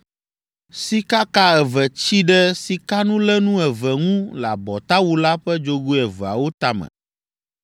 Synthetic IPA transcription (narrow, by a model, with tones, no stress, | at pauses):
si˦ka˦ka˦ɛ˨vɛ˨t͡ɕi˦ɖɛ˦si˨ka˦nũ˦lɛ˦nũ˦ɛ˨vɛ˨ŋũ˦la˨bɔ˨t̪a˦wu˦la˦ɸɛ˦d͡ʒo˦ɡu˦ɛ˨vɛ˨a̰˨wo˦t̪a˦˨mɛ̰̃˨